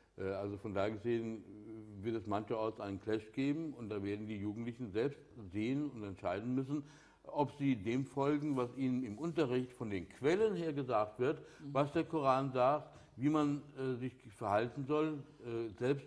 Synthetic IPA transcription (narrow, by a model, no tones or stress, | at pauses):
ʔɛːʔalzofɔndaːɐɡəzeːənvɪɐtɛsmançɐɔɐsʔaɪnənkʰl̥ɛʃɡ̥eːbm̩ʊnt̚d̥aːveːɐdn̩diːjuːɡŋ̩tlɪçn̩zɛlpstz̥eːənʊntɛntʃaɪdn̩mʏsn̩ | ʔɔpz̥iːdeːmfɔlɡŋ̩vasʔiːnənɪmʔʊntɐʁɪçtfɔndeːnkʰv̥ɛlənheːɐɡəzaːk̚tv̥ɪɐtvasd̥eːɐkʰoʁ̞aːnzaːkt | viːmanɛːzɪçfɛɐhaltn̩zɔlʔɛzɛlpst